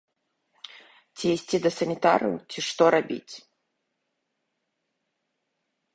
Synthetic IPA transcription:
t͡sʲiisʲt͡sʲid̪ɐsɐnʲit̪a̰ɾɐ̰wt͡sʲiʂt̪ɔɾabʲḭt͡sʲ

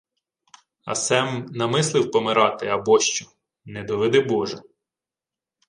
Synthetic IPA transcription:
ɐ̰sɛmnɐmɪslˠɪwpɔmɪɾɑt̪ɪɐbɔʃt͡ʃɔ | nɛd̪ɔʋed̪ɪbɔʒɐ

